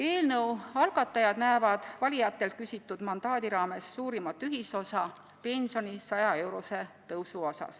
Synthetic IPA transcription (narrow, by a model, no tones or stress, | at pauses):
e̞ːlnɤwɑlɡ̥ɑt̪ːˑɑjɑd̪̥næevɑd̪̥vɑlʲijɑt̪ːˑe̞lt̪̚kysʲit̪ːˑud̪̥mɑnd̪̥ɑːd̪̥iɾɑːme̞sːuːɾimɑt̪ːyɦiso̞sɑ | pe̞nʲsio̞nʲisɑjɑe̞wɾo̞se̞t̪ɤwsuo̞sɑ̰s